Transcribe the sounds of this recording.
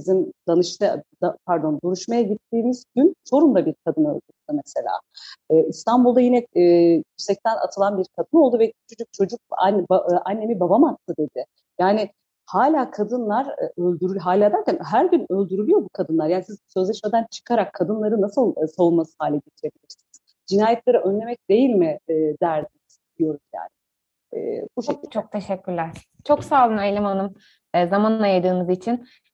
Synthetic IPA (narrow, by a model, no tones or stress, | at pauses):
izimd̪anɯʃt̪ʰɯd̪apʰæɾd̪o̞nd̪uɾuʃmajaɟit̪ʰːiːmizɟynt͡ʃʰo̞ɾumd̪abiɾkʰad̪ɯnø̰lʲd̪yɾyd̪ɪmese̞lʲa̰ːist̪ʰanbulˠd̪ajinɛjycsɛc̚t̪ʰæna̰t̪ʰɯlˠanbiɾkʰad̪ɯno̞lˠd̪uvɛy̥t͡ʃʰod͡ʒuk̚t͡ʃʰo̞d͡ʒuk̚nbaʔanːe̞mibabamat̪ʰːɯd̪e̞d̪ɪ | jaːnɪ | haːlʲaːkʰad̪ɯnlˠaɾ̰ølʲd̪yɾylʲɦaːlʲaːd̪æɾcænɦæɾɟynø̞lʲd̪yɾylʲyjo̞bukʰad̪ɯnlˠaɾjaːnisizsø̞zlʲɛʃmed̪ænt͡ʃʰɯ̥kʰaɾakʰːad̪ɯnlˠaɾɯnːasɯlˠsavunmasɯ̥ɦaːlʲɛɟet̪ʰiɾe̞bilʲiɾsiniz̥ | d͡ʒinaːjɛt̪lʲeɾiʔønlʲe̞mɛc̚d̪̥e̞jilʲmɪːd̪æɾd̪iniz̥d̪ijo̞ɾuzja̰ːnɪ | ɛ̰ːbut͡ʃʰok̚t̪ʰeʃɛcʲʰːyɾlʲæɾ̥ | t͡ʃʰo̞ksaːlˠɯnaelʲemanɯmː | zamanajad̪ɯːnɯzit͡ʃʰin